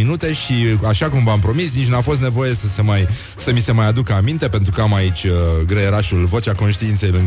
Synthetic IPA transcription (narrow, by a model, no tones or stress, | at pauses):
inut̪e̞ʃiaʃakumvampɾo̞misnit͡ʃʲnafo̞s̬t̪ne̞vo̞je̞səsemaj | səmise̞majad̪ukəamint̪e̞pe̞nt̪ɾukəamait͡ʃʲɡɾeeɾaʃulvo̞t͡ʃako̞nʃt̪iint̪se̞jluŋ